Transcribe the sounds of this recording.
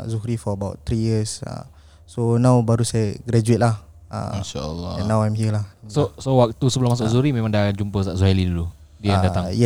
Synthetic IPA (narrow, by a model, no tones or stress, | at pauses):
zuɦɾifɔəbawtt̪ɾijəsa̰ | sonãwbaɾusajəɡɾɛd͡ʒuɪt̪̚lah | a̰inʃaə̰lːɔɛ̰̃nːawajmɦiəlahsosowak̚t̪usəbəlʊmasʊʔzuɾimẽmãŋdaand͡ʒumpəsaʔzuɦalidulu | diadat̪aŋjɛ